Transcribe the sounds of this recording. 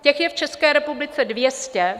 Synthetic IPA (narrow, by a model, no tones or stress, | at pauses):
cɛxjɛft͡ʃɛskɛːɾɛpublɪt͡sɛdvjɛscɛ